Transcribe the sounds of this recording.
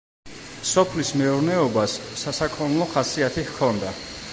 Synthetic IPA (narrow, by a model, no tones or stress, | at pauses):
sɔpʰlismɛuɾnɛɔbasːasakʰʼɔnulˠɔχasiat̪ʰihkʰɔnd̪a